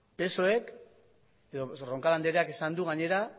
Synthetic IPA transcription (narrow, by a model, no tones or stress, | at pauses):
pe̞so̞e̞k | e̞ðo̞ro̞ŋkaland̪eɾeakisand̪uɣaɲe̞ɾa